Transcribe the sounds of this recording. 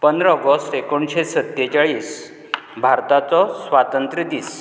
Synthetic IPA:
pənd̪ɾəːɡɔst̪ekoɳɕesət̪ːet͡ɕaɭiːs | bʱaɾt̪at͡sɔsʋat̪ənt̪ɾid̪iːs

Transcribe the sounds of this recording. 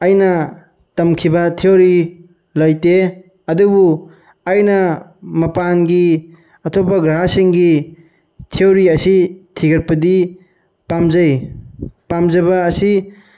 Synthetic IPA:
ajnɐ | tɐmkʰibɐtʰioɾi | lɐjte | ɐdubu | ajnɐmɐpanɡi | ɐtʰopɐɡɾaɦasiŋɡi | tʰeoɾiɐsitʰiɡɐɾpɐdi | pamzɐj | pamzɐβɐːsi

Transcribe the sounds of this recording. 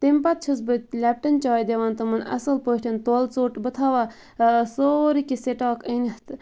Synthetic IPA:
t̪impɐt̪̚t͡ʃʰusbɨlʲɛp̚ʈɐnt͡ʃɑːjd̪eʋaːnt̪ɨmɨnɐ̰sɐlpoːʈʰʲɐnt̪oːlt͡soːʈbɨt̪ʰaːʋa | soːɾikiseʈɑːkənʲɐht̪

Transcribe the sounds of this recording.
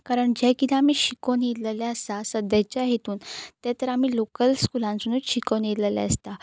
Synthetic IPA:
kaɾəɳd͡ʑɛkit̪ʰeamiːɕikoniɾlelaəst̪asəd̪ʱat͡ɕjaɦet̪uːnt̪ɛt̪əɾam̤iːlokəlskulãnsunuɕikoniɾlelɛ̰əst̪a

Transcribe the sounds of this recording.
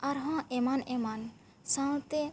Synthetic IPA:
aɾɦɔ̃ʔɛmanɛman | sãw̃t̪e

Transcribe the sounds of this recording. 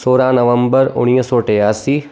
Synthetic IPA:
soːɾãːnɐʋɐmbəɾʊ̰ɽ̃ijəsoːʈejaːsiː

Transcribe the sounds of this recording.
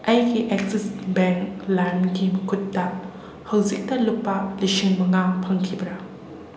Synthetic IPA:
ʔɐjɡiʔek̚sisbɛŋklaɾmɡimɐkʰut̚ːɐ | hɐwzik̚tɐlupːɐlisiŋmɐŋaŋpʰɐŋkʰibɐɾɐ

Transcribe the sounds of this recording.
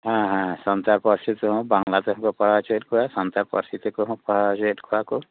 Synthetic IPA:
ɦãɦãsɔnt̪aɾpɔɾsit̪iɦɔ̃baŋlat̪ɔɔ̃kɔpɔɽat͡ʃeʈkʰuasɔnt̪aɾpɔ̰ɾsit̪ikuɦɔ̃pɔɽad͡ʒeʈkʰuaku

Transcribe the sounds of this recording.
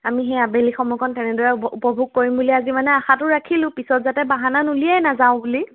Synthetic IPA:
amixeabelixɔmɔkʰɔntɛnɛdɔɹɛupɔbʱuɡ̚koɹimbuliazimanɛaxatʊɹakʰilʊ̃pisɔtzatɛbaɦananuliajnazaʊ̃buli

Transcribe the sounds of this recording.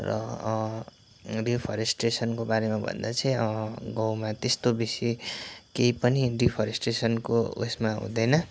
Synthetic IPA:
rʌ̰ | ripʰʌɾesʈresʌnkobaɾemabʱʌ̰nd̪at͡sʰʌĩʌɡʌwmat̪est̪obisikeipʌniripʰʌɾesʈresʌnkoo̰smaɦṵ̃d̪ʌjnʌ

